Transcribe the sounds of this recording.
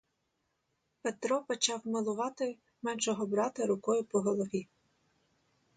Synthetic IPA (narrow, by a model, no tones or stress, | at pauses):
pet̪ɾɔpɔt͡ʃɑwmɐlˠʊʋɑt̪ɪ | mɛnʃɔɦɔbɾɑt̪ɐɾʊkɔjʊpɔɦɔlˠɔʋʲi